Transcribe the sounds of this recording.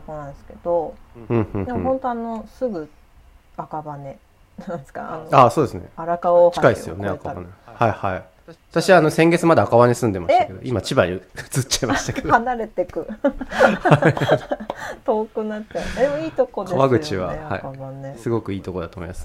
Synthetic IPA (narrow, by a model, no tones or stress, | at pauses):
okonãnd̪esɨ̥ke̞d̪̥o̞ɯ̟̃ːhɯ̟̃ːd̪emõhõ̞nt̪oano̞sɨɡɯ̟ | akabane̞ | nãnd̪eska̰a̰noasoːd̪esɨnḛaɾakaoht͡ɕiakaisɨjo̰neakaba̰nehaihai | βat̪aɕiβaːno̞sẽ̞ŋɡe̞t͡sɨmad̪eakaβanesɨ̃nd̪e̞maɕtaked̪oʔimat͡ɕibaiɯɯ̥t͡sɨt͡ɕaimaɕt̪aked̪ohanaɾe̞t̪e̞kɯ̟ | hai | t̪oːkɯ̟nat͡ɕad̪emoiːt̪oko̞dkd̪eaβaɡɯ̟t͡ɕiβa̰ha̰ikabanesɨɡo̞kɯ̟iːt̪o̞ko̞d̪at̪oːmoimasɨ̥